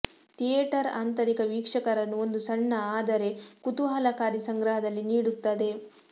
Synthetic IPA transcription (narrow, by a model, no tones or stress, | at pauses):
t̪ijeʈɐɾa̰ːnt̪ɐɾikɐʋiːkʂɐkɐɾɐnːuo̞nd̪usɐɳːɐaːd̪ɐɾe̞kut̪uɦɐlɐkaːɾisɐŋɡɾɐɦɐd̪ɐlːiniːɽut̪ːɐd̪e̞